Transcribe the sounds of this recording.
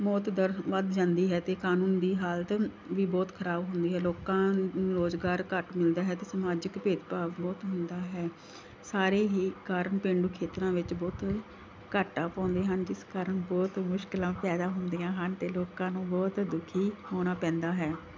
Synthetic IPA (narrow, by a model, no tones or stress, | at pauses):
mɔːt̪d̪əɾʋəd̪d͡ʒãːnd̪iːɦɛːt̪eːkaːnuːnd̪iːɦaːlt̪ | ʋiːbɔːt̪kʰəɾaːbɦʊnd̪iːɦɛːloːkãːɾoːzɡaːɾkəʈmɪld̪aːɦɛːt̪eːsəmaːd͡ʒəkpeːd̪paːʋbɔːt̪ɦʊnd̪aːɦɛː | saːɾeːɦiːkaːɾəɳpẽːɳɖuːkʰeːt̪ɾãːʋɪt͡ʃbɔːt̪ | kəʈːãːpɔ̃ːnd̪eːɦənd͡ʒɪskaːɾəɳbɔːt̪mʊʃkɪlãːpɛːd̪aːɦʊnd̪iːjãːɦənt̪eːloːkãːnũːbɔːt̪d̪ʊkʰːiːhoːñaːpɛ̃ːnd̪aːɦɛː